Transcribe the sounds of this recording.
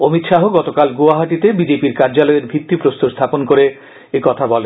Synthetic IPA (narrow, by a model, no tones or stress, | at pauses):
omit̪ʃaɦoɡɔt̪okalɡoaɦaʈit̪ebid͡ʑepiɾkaɾd͡ʑalɔeɾbʱit̪ːipɾost̪ʰost̪ʰaponkoɾe | ekɔt̪ʰabɔlen